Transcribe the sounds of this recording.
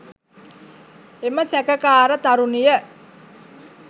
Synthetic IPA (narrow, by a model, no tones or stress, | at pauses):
eməsækəkaːɾət̪aɾunijə